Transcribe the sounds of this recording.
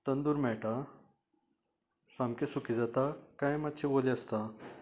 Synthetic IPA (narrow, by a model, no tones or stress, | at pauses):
t̪ənd̪uːɾmɛɭʈa | sãmkesukid͡zat̪akãjmat̪t͡ɕʰẽboleəst̪a